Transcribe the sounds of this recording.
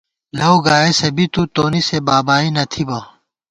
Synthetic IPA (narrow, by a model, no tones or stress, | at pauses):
lɐwɡaːesɐbit̪uːt̪oːnisebaːbaːinɐt̪ʰibaː